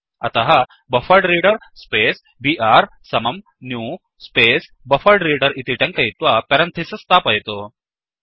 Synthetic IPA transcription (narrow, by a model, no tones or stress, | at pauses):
ɐ̰t̪ɐɦɐ | bɐfɐɾɖɾiːɖɐɾ | speːs | biːʔaːɾ | sɐmɐm | njuː | speːs | bɐfɐɾɖɾiːɖɐɾit̪iʈɐ̃ŋkɐjit̪ʋapɛɾɐnt̪ʰesɐst̪aːpɐjt̪o